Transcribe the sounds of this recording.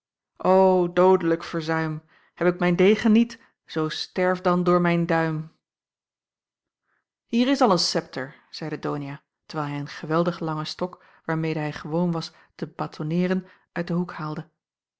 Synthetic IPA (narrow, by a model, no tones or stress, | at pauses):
ʔowdowdələkfəɹzœɥm | hɛpɪk̚mɛjndejχənːit | z̥owstɛɹvdɑndʊːɹmɛjndœɥm | hiːɹɪsɑlˠənsɛp̚tʰəɹz̥ɛjdədownija | tə̥ɹʋɛːlˠɦɛjənχəʋɛlˠdəχlɑŋəstɔk | ʋaːɹmejdəɦɛjχəʋownʋɑs | təbaːtʰonɪːɾən | ʔœɥt̚dəɦukhaːlˠdə